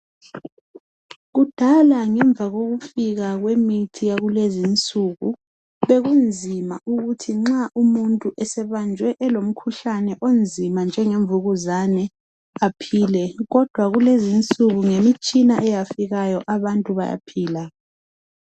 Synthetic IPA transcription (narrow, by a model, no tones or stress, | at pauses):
ɣud̥ʱalaŋɛɱb̪vʱaɣoɣufiɣaɣwemitʰijaɣulezint͡sʼuɣu | βeɣund͡zʱimauɣutʰiŋ͡ǁaʔumuntʼuʔɛsɛβand͡ʒʱwɛʔɛlom̩kʰuɬanɛʔond͡zʱimand͡ʒʱɛŋeɱvuɣuzanɛ | apʰiːlɛɣɔd̥ʱwaɣulezint͡sʼuɣuŋemit͡ʃʼinaʔɛjafiɣajɔʔaβantʼuβa̰ja̰pʰiːla